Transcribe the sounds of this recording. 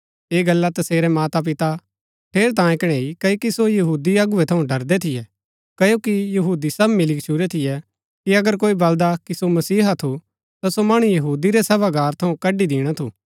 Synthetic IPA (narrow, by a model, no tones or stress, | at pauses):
eːɡɐlːat̪ɐseːɾɛmaːt̪ap̬ɪt̪a | ʈʰeːɾt̪ãːẽkɽ̃ɛikɐokisojɐɦuːd̪iɐɡʊɛt̪ʰɐũɖɐɾd̪ɛt̪ʰɪjɛ | kɐjokijɐɦuːd̪isɐbmɪlikt͡ʃʰuɾɛt̪ʰɪjɛ | kiɐɡəɾkoːibɐld̪akisomɐsiːɦat̪ʰu | t̪asomɐɽ̃ujɐɦuːd̪iɾɛsɐbaɡaːɾt̪ʰɐũkɐɖid̪ɪːɽ̃at̪ʰuː